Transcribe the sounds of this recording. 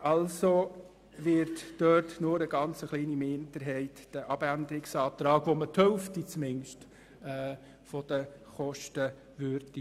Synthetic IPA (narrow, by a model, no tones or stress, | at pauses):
ɑlso | ʋɪɾtd̥øtnʊɾəɡɑnt͡səχliːnimɪndəɾɦɛɪtd̥əʔɑb̥ændəɾɪksɑːt̪ɾɑːɡʋomət̪ʰhœlftit͡smɪnʃtː | fod̥əχɔʃtə | ʋøɾdi